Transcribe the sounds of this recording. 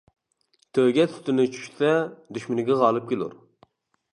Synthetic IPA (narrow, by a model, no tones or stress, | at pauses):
t̪ʰøɡʲɛy̥t̪ɪnɪt͡ʃʰy̥ʃsɛd̪yʃmɪnɪɡʲɛʁɑːlˠɨp̚kʲʰelˠṵɾ